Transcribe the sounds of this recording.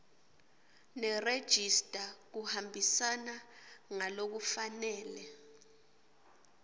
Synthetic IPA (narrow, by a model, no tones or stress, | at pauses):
nɛred̥ʒ̥ʱistʼak̬uhambʱisanaŋalok̬ufanɛːlɛ